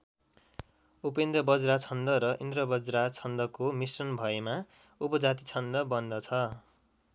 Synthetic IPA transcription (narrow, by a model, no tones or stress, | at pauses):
upend̪ʌbʌd͡zɾat͡sʰʌnd̪ʌɾʌʔind̪rʌbʌd͡zɾat͡sʰʌnd̪ʌkomisrʌnbʱʌema | upʌd͡zat̪it͡sʰʌnd̪ʌbʌnd̪ʌt͡sʰʌ